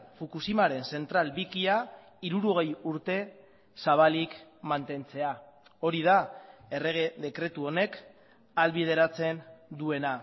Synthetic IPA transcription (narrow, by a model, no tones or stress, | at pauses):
fukusimaɾe̞nse̞nt̪ɾalbikia | iɾuɾo̞ɣ̞e̞juɾt̪e̞ | saβ̞alikmant̪e̞nt͡se̞a | o̞ɾiðae̞reɣeðe̞kɾe̞t̪uo̞ne̞k | alβið̞e̞ɾat͡se̞nd̪ue̞na